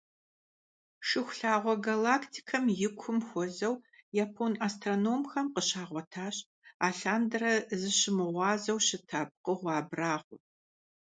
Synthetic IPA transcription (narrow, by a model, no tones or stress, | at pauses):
ʂɨxʷɬaːʁʷɔɡalaːktʰi̥kʰɐmjɪkʷʰʊmxʷɔzɐwjaːpʰonaːstʰronoːmxɐmqəɕaːʁʷɔtʰaːɕ | aːɬaːndɐrɐzɨɕɪmɨʁʷɑːzɐwɕɪtʰaːb̚qəʁʷɑːbraːʁʷʊ